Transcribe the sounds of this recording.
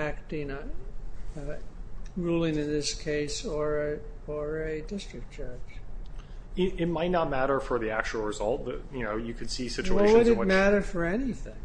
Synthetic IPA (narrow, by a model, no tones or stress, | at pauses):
æk̚tɪ̃ŋ | ɹulˠɪ̃ŋɨ̃nðɪskʰeɪsə˞ɨə˞ɨdɪstɹ̥ɨk̚t͡ʃʰɜ˞t͡ʃ | ɪɾɪt̚maɪtⁿnət̚mæɾə˞fə˞ðiæk̚t͡ʃul̩ˠɹɨzʌlˠt̪̚ðɨ̰t̚jɨnoʊjɨkʰɨd̥sisɪt͡ʃueɪwʌɾɨtw̚mæɾə˞fə˞ɛniθɪ̰̃ŋ